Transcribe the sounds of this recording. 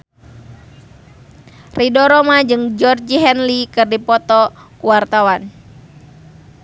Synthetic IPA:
ridɔɾɔmad͡ʒɨŋd͡ʒɔrd͡ʒiɦɛnlikɨrdipɔt̪ɔkuwart̪awan

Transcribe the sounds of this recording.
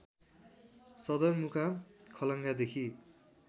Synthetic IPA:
sʌd̪ʌnmukʰakʰʌlʌŋɡad̪ekʰi

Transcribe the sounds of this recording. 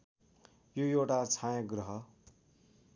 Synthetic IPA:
jojowʈat͡sʰajʌ̃ɡrʌɦʌ

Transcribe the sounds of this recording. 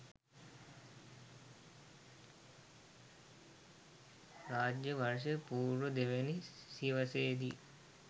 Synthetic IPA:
raːd͡ʒjəʋɐɾʃ̬əpuːɾʋud̪eʋenisiʋəseːd̪i

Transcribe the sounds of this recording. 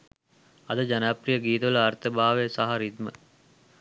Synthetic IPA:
ɐd̪əd͡ʒanaːprijəɡiːt̪ɐʋlɐaɾt̪əbaːʋesaɦɐɾid̪mə

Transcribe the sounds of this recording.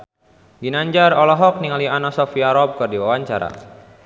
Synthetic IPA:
ɡinaɲd͡ʒarɔlɔɦɔk̚niŋalianasɔfiaɾɔb̚kɨrdiwawaɲt͡ʃaɾa̰

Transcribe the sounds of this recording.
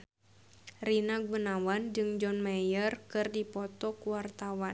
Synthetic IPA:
rinaɡ̚wənawand͡ʒɨŋd͡ʒɔnmajərkɨrdipɔt̪ɔkuwart̪awa

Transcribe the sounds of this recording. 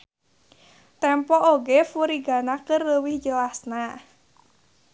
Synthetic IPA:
t̪ɛmpɔʔoɡɛfuɾiɡanakɨrləwihd͡ʒəlasna

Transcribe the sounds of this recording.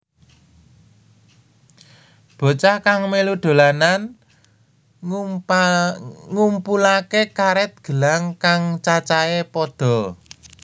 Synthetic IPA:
b̥o̤t͡ʃakaŋmeluɖ̪̥o̤lanan | ŋumpulakekaɾɛt̪̚ɡ̥ə̤laŋkaŋt͡ʃat͡ʃaepɔd̪̥ɔ̤

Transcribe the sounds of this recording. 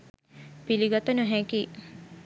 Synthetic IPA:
piliɡat̪ənuɦɛki

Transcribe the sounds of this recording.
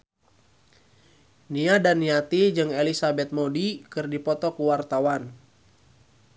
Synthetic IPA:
niadanːiat̪id͡ʒɨŋelisabɛt̪̚modikɨrdipɔt̪ɔkuwart̪awan

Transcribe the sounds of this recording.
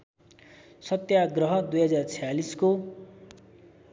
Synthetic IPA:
sʌt̪jaɡrʌɦʌd̪ujɦʌd͡zart͡sʰʌjalisko

